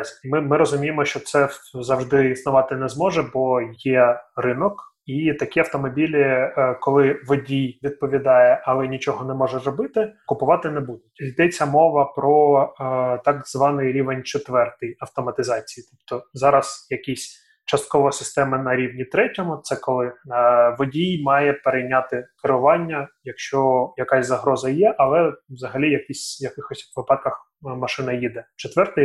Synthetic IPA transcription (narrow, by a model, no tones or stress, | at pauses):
mɪmɪɾɔzʊmʲijemɔʃt͡ʃɔt̪sɛzɐwʒd̪ɪisnʊʋɑt̪ɪnɛzmɔʒɛbɔjɛrɪnɔk | it̪ɐkʲiɐwt̪ɔmɔbʲilʲɪkɔlˠɪʋɔdʲijʋʲid̪̚pɔʋʲid̪ɑjɛʔɐlˠɛnʲit͡ʃɔɦɔnɛmɔʒɛzrɔbɪt̪ɪkʊpʊʋɑt̪ɪnɛbud̪ʊtʲid̪ɛt͡sʲːɐmɔʋɐpɾɔ | t̪ɑɡzʋɑnɪjɾʲiʋenʲt͡ʃɪt̪ʋɛrt̪ɪjɐwt̪ɔmɐt̪ɪzɑt͡sʲi̥jit̪ɔpt̪ɔzɑɾɐzjɐkʲisʲ | t͡ʃɐst̪̚kɔʋɔsɪst̪ɛmɪnɐɾʲiʋnʲit̪ɾɛtʲɔmʊt̪sɛkɔlˠɪʋɔdʲijmɑjɛpeɾejnʲat̪ɪkɪɾʊʋɑnʲːɐjɐkʃt͡ʃɔjɐkasʲzɐɦɾɔzɐjɛʔɐlˠɛʋzɐɦɐlʲijɐkʲisʲjɐkɪxɔsʲʋɪpɑt̪̚kɐx | mɐʃɪnɐjid̪ɛt͡ʃɔt̪ʋɛrt̪ɪj